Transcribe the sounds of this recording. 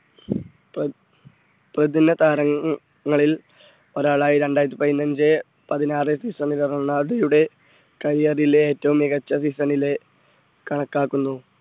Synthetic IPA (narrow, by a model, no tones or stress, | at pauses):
p | prɐd̪inːɐt̪aːɾɐŋː | ɐɭil | o̞ɾaːɭaːjiɾe̞ɳɖaːjɾɐt̪̬ːipɐðinːɐnd͡ʑe | pɐðinaːresisɐnilɐrɐnːaːɽɐjuɽe̞ | kɐɾijɐrileeːtːɐʋumiɡɐt͡ɕːɐsisɐnile̞ | kɐɳɐkːaːkːunːu